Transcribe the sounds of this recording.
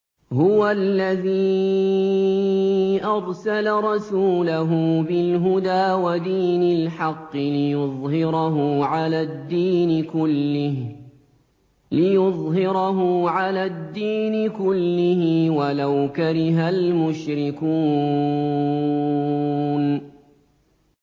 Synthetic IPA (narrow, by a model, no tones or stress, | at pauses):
hʊwalːaðiː | ʔɑɾˤsalaɾˤɑsuːlaɦʊbɪlɦʊd̪aːwad̪iːnɪlħɑqːɪlɪjʊðˤhɪɾɑɦʊʕalaːd̪ːiːnɪkʊlːɪ | lɪjʊðˤɦɪɾɑɦʊʕalaːd̪ːiːnɪkʊlːɪhɪwalawkaɾɪɦalmʊʃɾɪkuː | n